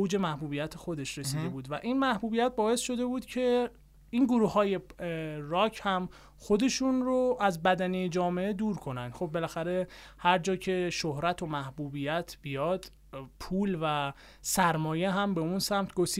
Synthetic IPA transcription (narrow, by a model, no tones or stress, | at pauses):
owd͡ʒe̞mæhbuːbijæt̪ʰexo̞d̪e̞ʃɾesiːd̪e̞buːd̪væʔinmæhbuːbijæt̪̚bɒːe̞sʃo̞d̪e̞buːd̪̥cʰe̞ | iːnɡoɾuːhɒːje̞rɒːcʰhæm | xod̪e̞ʃunɾoʔæzbæd̪ænejed͡ʒɒːmeed̪uːɾkʰo̞nænd̪̥xob̚ːe̞læxæɾe̞hæɾd͡ʒɒːcʰe̞ʃohɾæt̪ʰo̞mæhbuːbijæt̪ʰb̥ijɒːd̪̥ | pʰuːlvæ | sæɾmɒːje̞ɦæmbe̞unsæmt̪ʰɡosiː